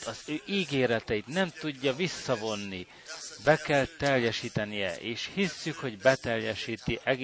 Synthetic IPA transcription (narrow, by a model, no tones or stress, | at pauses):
ɒzøːʔiːɡeːɾɛt̪ɛjit̪nɛmt̪uɟːɒvisːɒvo̞nːi | bɛkɛlt̪ɛljɛʃiːt̪ɛnijɛ̰ʔeːʃhisːykho̞ɟbɛt̪ɛljɛʃiːt̪iʔɛɡ